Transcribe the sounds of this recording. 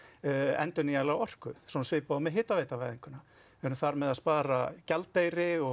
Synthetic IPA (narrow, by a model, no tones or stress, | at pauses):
ɛ̰nt̪ʏnialawɔr̥kʏsɔnsvɪːpamɛðɦɪːt̪aveːjt̪avaːjðiŋkʏnːa | ɛɾʏmθaɾmɛðaðspaːɾacalt̪ːejɾɪɔ